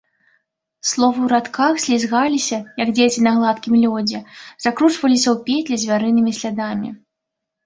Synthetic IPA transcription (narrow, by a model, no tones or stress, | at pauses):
slˠɔvɨwɾat̪kʰaxsʲlʲizɣalʲisʲɐjɐɡd͡zʲet͡sʲinaɣlˠat̪kʲimlʲɔd͡zʲɛz̥akɾut͡ʂvɐlʲisʲɐwpʲet̪ʲlʲɛzʲvʲaɾɨnɨmʲisʲlʲad̪amʲḭ